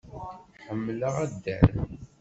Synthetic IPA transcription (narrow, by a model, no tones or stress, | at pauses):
ħəmːləʁæd̪ːæ̰ɾ